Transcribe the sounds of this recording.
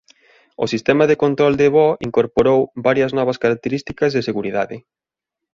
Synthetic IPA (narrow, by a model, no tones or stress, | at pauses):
ʊ̰sist̪ɛmɐðekont̪ɾɔld̪eβɔiŋkoɾpoɾowbaɾjɐznɔβɐskaɾak̚t̪eɾist̪ikɐzðeseɣuɾiða̰ðɪ̰